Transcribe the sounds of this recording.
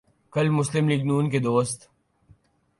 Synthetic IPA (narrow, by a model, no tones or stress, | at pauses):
kɐlmʊslɪmliːɡnuːnked̪oːst̪